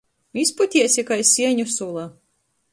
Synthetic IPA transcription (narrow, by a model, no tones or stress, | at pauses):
mʲisput̪ʲiɛsʲikajsʲiɛɲusulˠa